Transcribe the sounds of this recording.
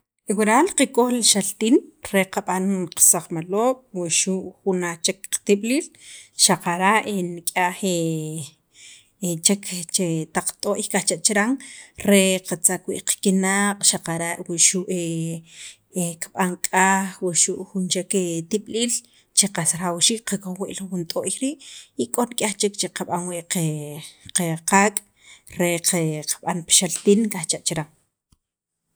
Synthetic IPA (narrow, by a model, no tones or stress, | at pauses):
ewiɾalqekʼoxlʃalt̪iːnɾeqaɓanqḁsaχmaloːkʼwiʃuʔxunat͡ʃekqt̪iɓliːlʃaqaɾaʔenikʼaʔχe | t͡ʃekʰt͡ʃet̪aq͡χt̪ʼoʔikʼaht͡ʃaʔt͡ʃiɾaŋɾeqat͡sakwḭʔqkinaqʼʃaqaɾaʔwiʃuʔe | kaɓaŋkʼaːxwuʃuʔxunt͡ʃeket̪iɓliːl | t͡ʃeqasɾawʃiʔqakoxwiʔlxunt̪ʼoːʔjɾiːʔikʼonkʼaxt͡ʃekt͡ʃeqaɓaŋwiʔeqeqaːkʼ | ɾeqeqaɓanpʃalt̪inkʼaxt͡ʃaʔt͡ʃiɾaŋ